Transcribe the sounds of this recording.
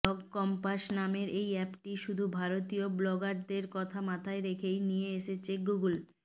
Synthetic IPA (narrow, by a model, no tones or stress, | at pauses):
ɔɡkɔmpaʃnameɾʔejɛpʈiʃud̪ʱubʱaɾot̪ioblɔɡaɾd̪eɾkɔt̪ʰamat̪ʰaeɾekʰejnijeeʃet͡ɕʰeɡuɡul